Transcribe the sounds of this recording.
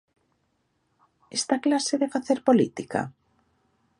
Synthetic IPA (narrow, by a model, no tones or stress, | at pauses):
est̪aklaseðefaθeɾpolit̪ika̰